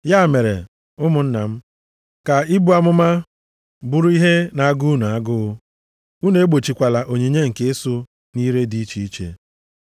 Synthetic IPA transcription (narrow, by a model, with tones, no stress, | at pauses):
ja˦˨me˨ɾḛ˨ | ʊ˦mʊ˨n̩˦na˨m̩˦ | ka˨ɪ˦bu˦a˨mʊ˦ma˦ | bu˦ɾu˦i˦ɦe˦na˨a˦ɡu˦nu˨a˦ɡʊ˦ɣʊ˦ | u˦ne˨e˦ɡ͡bo˨t͡ʃi˨kʷa˨la˨ʔo˨ɲe˨ɲe˦ŋ̩˨ke˦e˦sʊ˦ | ni˦ɾe˦di˦t͡ʃi˦i˦t͡ʃḛ˦